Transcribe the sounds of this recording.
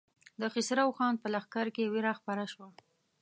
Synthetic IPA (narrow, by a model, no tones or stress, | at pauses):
d̪əxɪsɾawxɑn̚pəlaxkaɾkeweɾaxpaɾaʃwa